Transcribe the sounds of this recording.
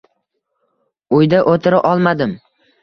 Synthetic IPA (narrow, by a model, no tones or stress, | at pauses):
ʊjd̪aʔot̪ʰɪɾaʔɒlˠmad̪ɪm